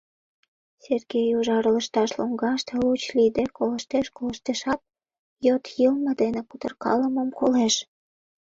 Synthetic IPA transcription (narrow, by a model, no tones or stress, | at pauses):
serɡejuʒɑɾələʃt̪ɑʃloŋɡɑʃt̪elut͡ɕlid̪ekoləʃt̪eʃkoləʃt̪eʃɑt̪̚ | jot̪jəlməd̪enekut̪ərkɑ̰ləməmkoleʃ